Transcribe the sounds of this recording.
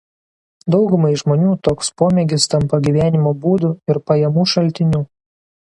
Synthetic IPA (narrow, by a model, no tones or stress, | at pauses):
d̪ɒʊɡʊmɐɪʒmoːnʲuːt̪oːkspoːmʲɛɡʲɪst̪ɐmpɐɡʲiʋʲæːnʲɪmoːbuːd̪uɪɾpɐjɛmuːʃɐlʲˑt̪ʲɪnʲuː